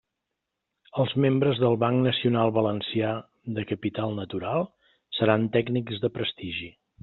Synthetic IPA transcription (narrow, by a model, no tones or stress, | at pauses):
əlˠzmembɾəzðəlˠβaŋknəsiunalˠβələnsia | ðəkəpit̪alˠnət̪uɾalˠ | səɾant̪ɛɡnikzðəpɾəst̪iʒi